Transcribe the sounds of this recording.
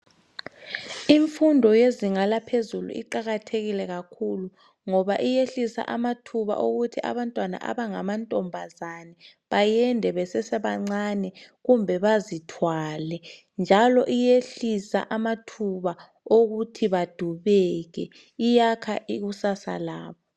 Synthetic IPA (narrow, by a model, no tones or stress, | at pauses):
iɱfundʱɔjeziŋalapʰezulṵʔḭǃaɣatʰeɣilɛɣakʰulu | ŋɔβaʔijeɬisa̰ʔamatʰuβa̰ʔoɣutʰiʔa̰βantʼwana̰ʔa̰βaŋamantʼɔmbʱazanɛ | βajɛndʱɛβɛsɛsɛβaŋ͡ǀanɛɣumbʱɛβazitʰwalɛ | nd͡ʒʱalɔʔijeɬisa̰ʔamatʰuβa | oɣutʰiβad̥ʱuβɛɣɛ | ijakʰa̰ʔiɣusasa̰laːβɔ